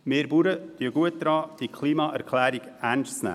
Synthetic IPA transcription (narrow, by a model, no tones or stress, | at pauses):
meːɾbuɾəd̥yəɡuət̚dɾɑːd̥ikʰliːmɑʔæɾkʰlæːɾiɡæɾnʃt͡snæ̰ː